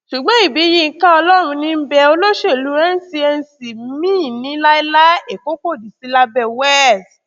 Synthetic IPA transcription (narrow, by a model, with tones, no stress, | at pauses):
ʃu˨ɡ͡bã˨˦i˦˨bi˨˦ji˧˨˦ka˦ɔ˧lɔ˦ɾ̃ũ˧nĩ˧m̩˦bɛ˧o˧lo˦ʃe˦˨lu˨˦ɾɛ˦n̩˦si˧ɛ˧n˨si˨mĩː˦˨nĩ˨˦la˦i˦la˦e˨ko˦ko˦˨di˨si˨˧˦la˧bɛ˧˨wɛ˦˨d